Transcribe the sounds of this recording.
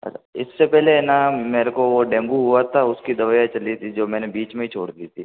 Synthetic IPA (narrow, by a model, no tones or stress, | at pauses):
ɐ̰t͡ʃʰa̰ɪsːepɛɦlenameːɾekoʋoɖɛ̃ːŋɡuɦuat̪ʰaʊskid̪ɐʋaːjat͡ʃɐlit̪ʰid͡ʒoːmɛːnebiːt͡ʃmẽɦit͡ʃʰo̰ːɽd̪iːt̪ʰiː